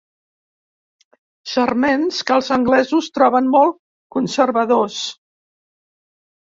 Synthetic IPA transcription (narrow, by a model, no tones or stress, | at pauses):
ʒ̥ərmenskəlˠzəŋɡlɛzust̪ɾɔβənmɔlˠ | kunsəɾβəðos